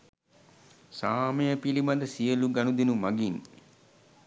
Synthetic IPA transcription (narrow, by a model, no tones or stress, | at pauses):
saːməjəpilimad̪əsijəluɡanud̪inumaɡin